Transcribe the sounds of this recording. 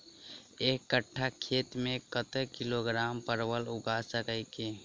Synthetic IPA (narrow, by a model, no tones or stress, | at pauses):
eːkːəʈʰːakʰeːt̪mẽkət̪əkɪloɡɾaːmpəɾwəlʊɡasəkəike